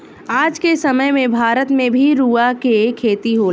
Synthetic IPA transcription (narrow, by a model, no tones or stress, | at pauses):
aːd͡ʒkesɐməjmẽbʱaːɾət̪mẽbʱiɾuːakekʰeːt̪iɦoːl